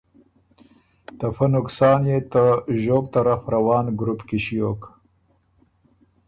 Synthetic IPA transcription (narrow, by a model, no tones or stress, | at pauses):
t̪afanʊksɑːnjet̪əʒoːb̚t̪aɾafɾawɑːnɡɾupkiɕijok